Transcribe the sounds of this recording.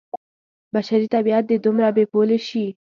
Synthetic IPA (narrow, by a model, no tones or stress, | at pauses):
baʃaɾit̪abiat̪̚d̪ed̪umɾabepoleʃi